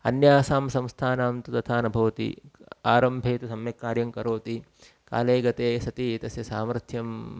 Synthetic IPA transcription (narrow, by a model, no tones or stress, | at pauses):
ɐ̰njaːsaːmsɐ̃mst̪ʰaːnaːmt̪ut̪ɐt̪ʰaːnɐbʱɐʋɐt̪ḭaːɾɐmbʱeːt̪usɐmjɐkːaːɾjɐŋkɐɾoːt̪i | ka̰ːleːɡɐt̪eːsɐt̪it̪ɐsjɐsaːmɐɾt̪ʰjɐm